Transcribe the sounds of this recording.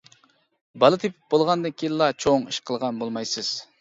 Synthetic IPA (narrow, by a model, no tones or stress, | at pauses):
bɑlˠɨt̪ʰepʰɪ̥p̚bolˠʁɑnd̪ɨnkʲʰijnlˠɑt͡ʃʰoŋiʃqʰəlˠʁɑnbolˠmɑjsɨz̥